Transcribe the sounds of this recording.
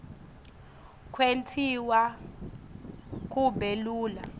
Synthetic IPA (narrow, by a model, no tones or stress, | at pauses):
kʰwentʰiwa | k̬ʼubʱeluːla̰